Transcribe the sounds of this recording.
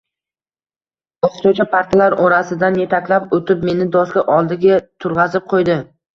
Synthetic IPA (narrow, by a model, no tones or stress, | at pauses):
b̥ɒst̪ot͡ʃʰapʰaɾt̪ʰalaɾɒɾasɪd̪anje̞t̪ʰakʲlapot̪ʰɪpme̞nɪd̪ɒskʲaʔɒlˠd̪ɪɡʲat̪ʰʊɾʁɑzɪp̚qʰojd̪ɪ